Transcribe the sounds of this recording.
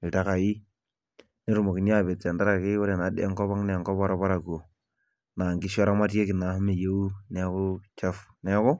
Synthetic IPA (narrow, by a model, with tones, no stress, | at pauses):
i˨ta˦ka˨ji˦ | ni˦ɾu˨mo˨ki˨n˦a˦˨be˨t͡se˨nda˦ɾa˨ki˦wo˦ɾe˨na˨˦dḛ˦ŋkɔ˦βa˦ŋne˨ŋkɔ˦pa˦ɾa˦pa˦ɾa˨ko˨ | na˨ŋɡi˦ʃɔ˦ɾa˦ma˦te˦ki˨na˨˦hme˨je˦u˦nɛ˦ku˦t͡ʃa˦fnɛ˦kʊ˦